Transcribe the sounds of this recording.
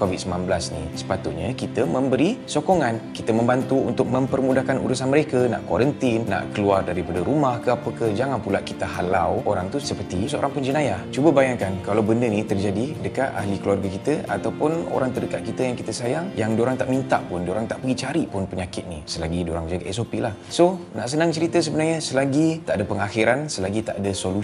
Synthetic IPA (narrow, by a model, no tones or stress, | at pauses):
kovit̪̚səmanbəlasnḭsə̥pat̪ut̪̚ɲakit̪əmə̃mbəɾisokoŋãnkit̪əmə̃mbant̪uṵnt̪ʊk̚mə̃mpərmudahkanṵɾusanməɾekəna̰ʔkwaɾənt̪inːa̰ʔkəluardaɾipadaɾumahkəapəkəhd͡ʒaŋanpulaʔkit̪əɦala̰woɾaŋt̪usəpərt̪isəo̰ɾaŋpəɲd͡ʒənajat͡ʃubəbajaŋkankalawbəndənit̪ərd͡ʒadidəkat̪a̰hlikəluarɡakit̪əa̰t̪awpʊno̰ɾaŋt̪ədəkat̪̚kit̪əjaŋkit̪əsajaŋjaŋdoɾaŋt̪aʔmĩnt̪a̰ʔpʊndoɾaŋt̪aʔpəɡit͡ʃaɾiʔpʊnpəɲakɪt̪̚nḭsəlaɡidoɾaŋd͡ʒaɡaʔɛsopiʔlah | sona̰ʔsənãŋt͡ʃəɾit̪əs̬əbənarɲasəlaɡit̪aʔadapəŋaxiɾansəlaɡit̪aʔadasolu